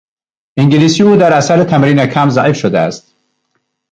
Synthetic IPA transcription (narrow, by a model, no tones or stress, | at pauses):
iŋɟiliːsiːuːd̪æɾæsæɾet̪ʰæmɾiːnekʰæmzæʔifʃod̪eæ̰st̪̚